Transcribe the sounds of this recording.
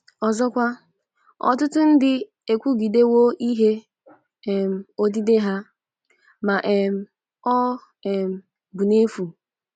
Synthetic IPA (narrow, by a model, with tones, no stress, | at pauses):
ɔ˨zɔ˦kʷa˦ | ɔ̰˨tʊ˦tʊ˦n̩˦dɪ˦ | e˨kʷu˦ɡi˨de˦wo˦ʔi˦ɦe˦˨ | m̩˦o˦di˦de˦ɦa˦ | ma˨ʔɛ˨m̩˦ | ɔ˦˨ | m̩˦ | bu˨ne˦fu˨